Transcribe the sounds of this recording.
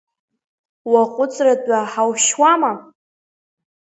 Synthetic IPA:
waqʷʼʊt͡sʼradʼaħawʃwama

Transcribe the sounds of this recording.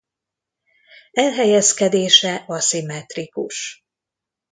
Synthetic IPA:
ɛlɦɛjɛskɛd̪eːʃɛʔɒsimɛt̪rikuʃ

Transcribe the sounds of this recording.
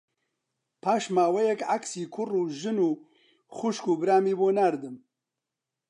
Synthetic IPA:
pʰaːʃmaːwɛjɛkʕaksiːkʰʊruːʒɨnuː | xʊʃkuːbɨɾaːmiːboːnaːɾd̪ɨm

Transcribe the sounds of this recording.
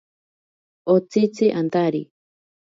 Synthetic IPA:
ot͡sit͡siʔant̪aɾi

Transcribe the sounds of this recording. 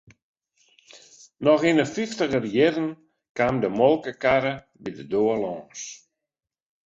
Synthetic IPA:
nɔxinəfiftəɣərjɪɾən | kaːmdəmɔlˠkəkaɾə | bidədoəlɔːns

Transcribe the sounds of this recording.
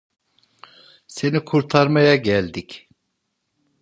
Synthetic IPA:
se̞nikʰuɾt̪ʰaɾmajaɟælʲd̪ic

